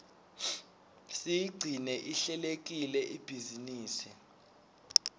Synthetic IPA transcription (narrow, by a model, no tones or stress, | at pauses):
sijiɡ͡ǀʱinɛʔiɬɛlek̬ʼilɛʔib̥ʱiziniːsi